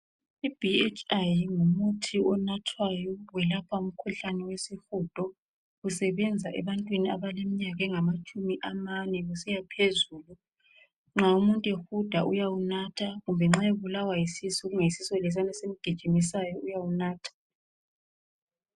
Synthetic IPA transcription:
ib̥ʱiet͡ʃʰʼajŋumutʰiɔnatʰwajɔwɛlapʰaum̩kʰuɬanɛwesixud̥ʱɔ | ɣusɛβɛnd͡zʱaʔɛ̰βantʼwinia̰βalemiɲaɣɛŋamat͡ʃʼumiʔamanɛɣusɛjapʰezuːlu | ŋ͡ǁaumuntʼexud̥ʱaʔujawunatʰaɣumbʱɛŋ͡ǁajeβulawajisisɔɣuŋeisisɔlɛs̬anɛsemiɡ̥ʱid̥ʒ̥ʱimisajɔʔujawunaːtʰḁ

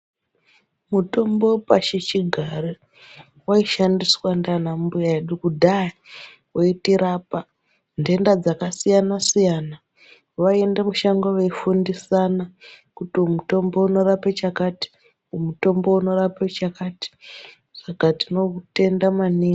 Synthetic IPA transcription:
muto̞mbo̞paʃit͡ʃiɡʱare | waiʃandiswandanambujaeɗukudʱai | woitiɾaːpa | nde̞ndad͡zakasijanasijana | ʋae̞ndemuʃaŋɡoweifundisanakutimuto̞mbo̞uno̞ɾapet͡ʃakati̥ | umuto̞mbo̞uno̞ɾapet͡ʃakaːti̥ | ʐakatino̞ute̞ndamaniŋ

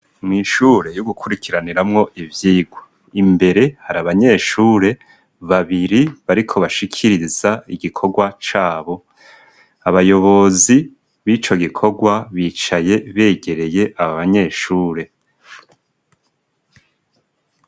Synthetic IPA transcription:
mŋiːʃuːɾe̞joɡukʰuɾikʰiɾaniɾamŋo̞ʔivjiːɡwo | imbe̞ɾe̞haɾaβaɲe̞ːʃuːɾe̞ | βaβiɾiβaɾikʰo̞βaʃikʰiɾizaiɡikʰo̞ɡwat͡ʃaːβo̞ | aβajo̞βo̞zi | βit͡ʃo̞ɡikʰo̞ɡwaβiːt͡ʃaje̞βe̞ːɟe̞ɾe̞je̞ʔaβaβaɲe̞ʃuːɾe̞

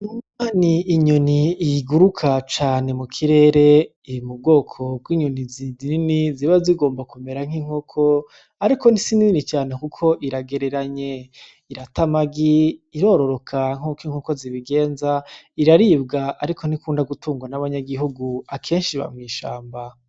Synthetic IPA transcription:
imaːniːɲoniːɡuɾukʰat͡ʃaːne̞mukʰiɾe̞ːɾe̞ | imub̚ɡo̞ːkʰo̞b̚ɡwiːɲoniziininiziβaziɡo̞ːmbakume̞ɾaŋ̥hiŋ̥hokʰo | aɾiko̞n̥isinininit͡ʃaːne̞kukʰo̞ʔiɾaɡeɾeɾaɲe̞ | iɾatamaɡiːɾo̞ːɾo̞ɾo̞kʰaŋ̥okiŋ̥hoko̞ziβiɡe̞ːnzaiɾaɾiːbɡaaɾikʰo̞n̥ikuːndaɡutuːŋɡwanaβaɲaɡiɦuɡuakʰeːnʃiβa̰mŋiːʃaːmba

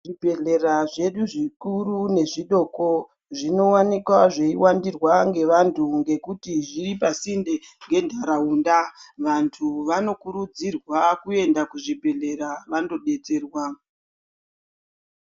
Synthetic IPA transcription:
ʐibʱe̞ɮeraʐe̞ɗuʐikurune̞ʐiɗo̞ko | ʐino̞wanikwaʐe̞iwandirwaŋɡe̞ʋantʰuŋɡe̞kutiʐiripasindeŋɡe̞ndʱaɾauːndaʋantʰuʋano̞kuɾud͡zirwakue̞ndakuʐibʱe̞ɮe̞ɾaʋando̞ɗe̞te̞ːrwa

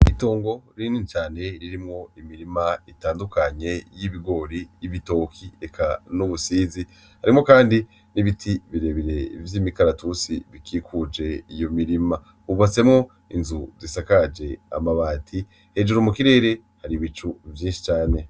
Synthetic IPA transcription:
ito̞ːŋɡo̞ɾinit͡ʃaːne̞ɾiɾimŋo̞imiɾimaitaːndukaɲe̞jiβiɡo̞ɾijiβito̞kʰiekʰanuβusiːzi | haɾimŋo̞kaːndi | niβitʰiβiɾe̞βiɾe̞vjiːmikaɾatusiβikiːkʰud͡ʒe̞ijo̞miɾima | uβat͡se̞mŋo̞ | inzuzisakad͡ʒe̞a̰maβaːtʰi | he̞d͡ʒuɾomukiɾe̞ːɾe̞ | haɾiβit͡ʃuvjiːnʃi̥t͡ʃaːne̞

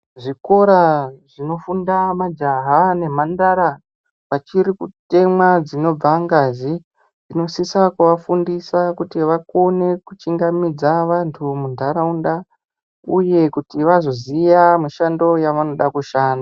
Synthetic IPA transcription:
ʐiko̞ɾaʐino̞fundamad͡ʒaɦane̞mandaɾa | ʋat͡ʃiɾikute̞mwad͡zino̞b͡vaŋɡazi | d͡zino̞sisakuʋafundisakutiʋakone̞kut͡ʃiŋɡamid͡zaʋantʰumundʱaɾaunda | uje̞kutiʋazo̞zijamiʃando̞jaʋano̞ɗakuʃaːna

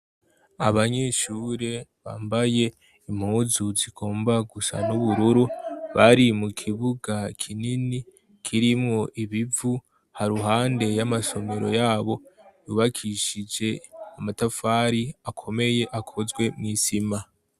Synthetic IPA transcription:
aβaɲe̞ːʃuːɾe̞βa̰ːmbaje̞ | imhuːzuziɡ̥o̞ːmbaɡusa̰nuβuɾuɾuβaɾimukʰiβuɡakʰinini | kʰiɾimŋo̞ʔiβivu | haɾuɦaːnde̞jamaso̞me̞ɾo̞̰jaːβo̞juːβakʰiʃid͡ʒe̞amatafaːɾiakʰo̞me̞je̞ʔakʰo̞zɡwe̞mŋiːsima

